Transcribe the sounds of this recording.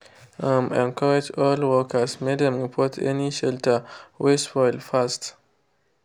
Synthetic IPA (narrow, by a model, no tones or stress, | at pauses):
ãmɛ̃nkʰaɹɛd͡ʒɔlwɔkʰəsmedɛ̃mĩpʰɔtʰɛ̰niʃɛltʰəwesfɔɪlfast